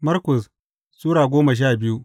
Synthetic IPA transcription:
mɐ˦rkʊ˨s | sʼuː˦ɽaː˨ɡʷoː˦mɐ˨ʃ̬aː˦˨bɪ˦ju˦ʔ

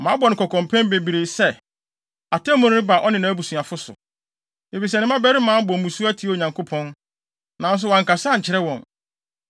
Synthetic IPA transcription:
mã˨˦bɔ˨nɪ̃˨kʰɔ˨kʰɔ̃˨m˨pʰɛ̃˦n˦be˨bi˨ɾe˨sɛ˦ | a˨tʰɛ˦mɔ̃˨˦nɪ̃˦ɪ̃˦ba˨ʔɔ˦nɪ̃˨nã˨æ˦bu˨sũ˨a˨fʊ˦sʊ̰˨ | e˨fi˨s̬ɛ˨nɪ̃˦mã˦bɛ˦ɾɪ˦mãː˨˦bɔ˨mũ˨su˦æ˦tʰi˨˦o˨ɲã˨ŋkʰo˦pʰɔ̃˦n | nã˨n̩˦s̬ʊ˦wã˨ŋka˨sa˦˨ɲ̩˨t͡ɕʰɪ˨ɾɛ˦wɔ̃˨n

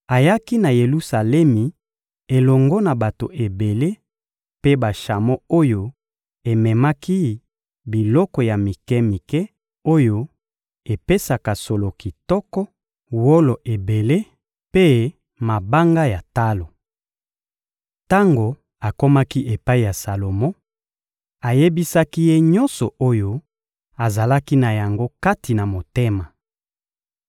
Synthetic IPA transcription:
a˨ja˦ki˦na˨je˨lu˦sa˨lɛ˦mi˨ | e˨lɔ˨ŋɡɔ˦na˨ba˨to˨ʔe˨be˨le˦ | pe˦ba˨ʃa˨mɔ˦o˦jo˦ | e˨mɛ˨ma˦ki˦ | bi˨lɔ˦kɔ˨ja˨mi˨kɛ˦mi˨kɛ˦ | o˦jo˦ | e˨pe˦sa˨ka˨so˨lo˨ki˨tɔ˦kɔ˦ | wo˦lo˨ʔe˨be˨le˦ | pe˦ | ma˨ba˦ŋɡa˦ja˨ta˦lo˨ | ta˦ŋɡo˨ | a˨ko˦ma˦ki˦ʔe˨pa˦i˨ja˨sa˨lo˨mɔ̃˦ | a˨je˦bi˦sa˦ki˦je˦ɲɔ˦nsɔ˨ʔo˦jo˦ | a˨za˨la˦ki˦na˨ja˨ŋɡo˦ka˦ti˨na˨mo˨te˦ma˨

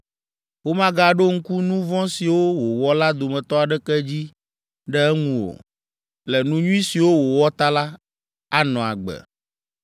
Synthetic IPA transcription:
wo˦mã˦ɡa˦ɖo˦ŋ̩˦ku˦nũ˦vɔ̃˦si˨wo˦wo˨wɔ˦la˦d̪o˨mɛ̃˨t̪ɔ˦a˨ɖɛ˦kɛ˦d͡ʑi˦ | ɖɛ˦ɛ˦ŋũ˨o̰˨ | lɛ˨nũ˦ɲũ˦ĩ˦si˨wo˦wo˨wɔ˦t̪a˦la˦ | a˦nɔ̃˨a̰˨ɡ͡bɛ̰˨

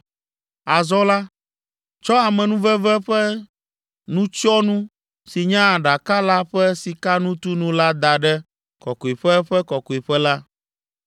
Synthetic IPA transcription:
a˨zɔ˦la˦ | t͡ʃɔ˦a˨mɛ̃˨nũ˦vɛ˦vɛ˦ɸɛ˦ | nũ˦t͡ʃɔ˦nũ˦ | si˨ɲã˦˨ɖa˨ka˦la˦ɸɛ˦si˨ka˦nũ˦t̪u˦nũ˦la˦d̪a˨ɖɛ˦ | kɔ˨ko˨i˨ɸɛ˦ɸɛ˦kɔ˨ko˨i˨ɸɛ˦la˦

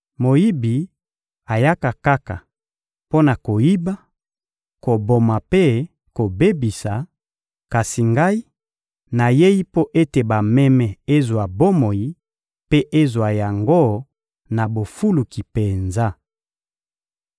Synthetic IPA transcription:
mo˨ji˦bi˨ | a˨ja˦ka˨ka˦ka˨ | po˦na˨ko˨ji˦ba˦ | ko˨bo˨ma˨pe˦ | ko˨be˦bi˨sa˨ | ka˨si˨ŋɡa˦i˦ | na˨je˦ji˦po˦ʔe˦te˨ba˨mɛ˦mɛ˨e˦zwa˨bo˦mo˨ji˦ | pe˦ʔe˦zwa˨ja˨ŋɡo˦ | na˨bo˨fu˦lu˨ki˨pe˨nza˦

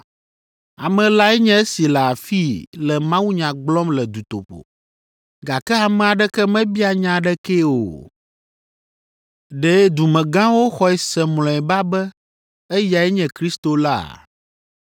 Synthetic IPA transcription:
a˨mɛ̃˨la˦ɛ˦ɲɛ̃˦e˦si˨lɛ˨a˨fi˦lɛ˨mã˦wu˦ɲã˨ɡ͡blɔ˦mlɛ˨d̪u˨t̪o̰˨ɸo̰˨ | ɡa˨kɛ˦a˨mɛ̃˨a˨ɖɛ˦kɛ˦mɛ̃˦bi˦a˨ɲã˨ɖɛ˦ke˦o̰˨ | ɖɛ˨˦d̪u˨mɛ̃˨ɡã˦wo˦xɔ˨ɛ˨sɛ˨mlɔ̃˨ɛ˨ba˦bɛ˦ | ɛ˦ja˨ɛ˦ɲɛ̃˨kɾi˦st̪o˨la̰˦˨

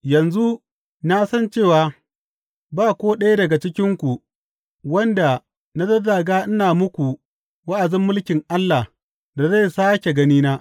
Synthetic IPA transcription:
jɐ˨nzu˦ | na˦sɐ˦nt͡ʃeː˦˨waː˨ | baː˦kʷoː˦ɗɐ˦ja˦dɐ˨ɡa˨t͡ʃɪ˦kʲɪ˦ŋkʷu˨ | wɐ˦nda˨ | na˦dɐ˦daː˨ɡaː˦ʔɪ˦naː˨mʊ˦kʷu˨ | wɐ˦ʔa˨d͡ʒɪ˦mːʊ˦lkʲɪ˨ŋʔa˦lːa˨h | da˨za˦˨saː˦kʲe˨ɡɐ˦niː˦naː˦ʔ

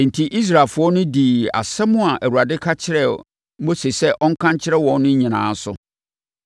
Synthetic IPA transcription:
n̩˨tʰi˨ʔi˦s̬ɾa˨lfʊ˨˦ɔ˦nʊ̃˦diː˨a̰˨sɛ˦mʊ̃˦a˨ʔæ˨wu˨ɾa˨dɪ˦kʰa˦t͡ɕʰɪ˦ɾɛ˦˨ | m̩˦bo˦se˨sɛ˦ʔɔ˦ŋ̩˦kʰã˦ɲt͡ɕʰɪ˦ɾɛ˦wɔ̃˨n˦nʊ̃˦ɲĩ˨nã̰ː˨˦sʊ˦

